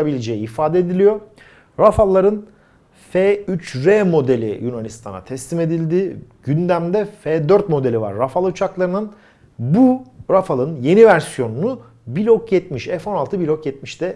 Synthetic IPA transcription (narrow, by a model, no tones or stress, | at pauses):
abilʲed͡ʒejiːfaːd̪eed̪ilʲijo̞ | ɾafalˠːaɾɯn | feyt͡ʃɾɛmo̞d̪e̞lʲḭjunanist̪ʰa̰na̰t̪ʰɛslime̞d̪ilʲd̪ɪɟ̥ynd̪æmd̪ɛfɛd̪øɾt̪mo̞d̪e̞lʲiva̰ɾːafalˠut͡ʃʰaklˠaɾɯnɯn | buɾafalˠɯnje̞nivæɾsijo̞nunu | bilʲokjɛt̪miʃɛfo̞nalˠt̪ʰɯbilʲokjɛt̪̚miʃt̪ɛ